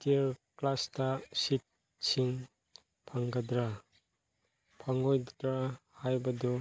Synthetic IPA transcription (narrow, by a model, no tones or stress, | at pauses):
tiɾklastasit̚ | siŋ | pʰaŋɡad̪ɾa | pʰaŋojdɾahajbɐdɔ